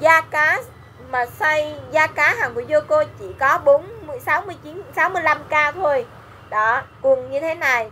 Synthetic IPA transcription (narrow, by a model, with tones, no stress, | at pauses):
zaː˧kaː˨˦ | maː˨˩sa˧jzaː˧kaː˨˦ɦaː˨˩ŋku˧˩əzo˧ko˧t͡ɕi˧˩kɔ˨˦ɓo˨˦nmɨ˧əjsaː˨˦wmɨ˧əjt͡ɕi˨˦nsaː˨˦wmɨ˧əjla˧mkaː˧t̪ʰo˧j | ɗɔ˨˦kʊ˨˩ŋɲɨ˧t̪ʰe˨˦na˨˩j